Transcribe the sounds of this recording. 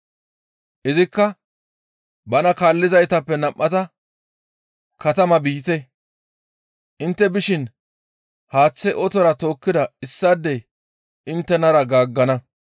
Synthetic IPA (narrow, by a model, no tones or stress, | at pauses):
ʔɪzɪkːɐ | bɐnɐkaːlːɪzɐjt̪ɐpːɛnɐmːɐt̪ɐ | kɐt̪ɐmɐbiːt̪ɛ | ʔɪnt̪ːɛbɪʃɪn | haːt͡sːɛʔɔt̪ɔɾɐt̪o̞ːkːɪd̪ɐɪsːad̪ːɛ | ɪnt̪ːɛnɐɾɐɡaːɡːɐnɐ